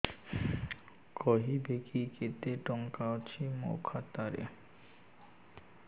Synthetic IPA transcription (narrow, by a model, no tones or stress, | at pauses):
kɔɦibekiket̪eʈɔŋkaot͡ɕʰimo̰kʰat̪aɾḛ